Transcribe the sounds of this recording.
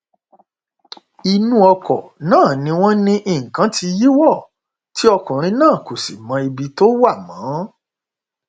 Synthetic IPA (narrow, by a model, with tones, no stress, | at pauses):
i˧nũ˦ɔ˧kɔ̰˨nãː˦˨nĩ˧˦w̃ɔ̃˦nĩ˧ʔi˦˨kã˨˦ti˧ji˦wɔ˦˨ | ti˦ɔ˧kũ˨ɾ̃ĩ˧˦nãː˦˨ko˨si˨mã˧i˧bi˧to˦wa˦˨mãː˨˦